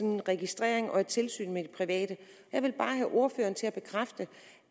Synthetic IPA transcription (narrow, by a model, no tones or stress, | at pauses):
nnʁɛɡ̥isd̥ʁɛ̰ɐ̰eŋʔɒ̽e̝d̥̚t͡sʰe̝lsy̰ːnmed̥ipʰʁiʋɛ̰ːd̥ə | jɑ̈ɪʋe̝lb̥ɑ̈ːɦæʔo̝ɐfø̰ːɐnt͡sʰe̝læb̥e̝kʰʁafd̥ə